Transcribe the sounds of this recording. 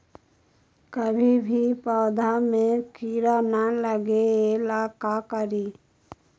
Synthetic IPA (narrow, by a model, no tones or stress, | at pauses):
kəbʱibʱipɔːd̪ʱamẽkiːɾaːnaləɡeːlaːkakəɾiː